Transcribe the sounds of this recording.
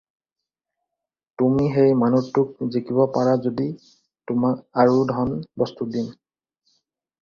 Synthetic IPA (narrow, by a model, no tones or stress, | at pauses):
tumiɦejmanutːʊk̚zekibɔpaɹazodi | tʊmakaɹudʱɔnbɔstudin